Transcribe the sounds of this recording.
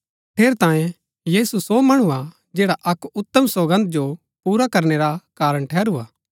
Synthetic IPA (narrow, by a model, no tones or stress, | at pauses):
ʈʰeːɾt̪ãːjẽ | jiːsusomɐɽ̃ua | d͡ʒeːɽaʔɐkʊt̪ːəmsoːbə̃nt̪̚d͡ʒo | puːɾakɐɾneɾakaːɾəɽ̃ʈʰɛːɾuaː